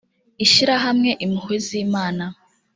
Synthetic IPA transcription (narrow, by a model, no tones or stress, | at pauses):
iʃiɾaɦamŋe̞ʔimuhweziːmaːna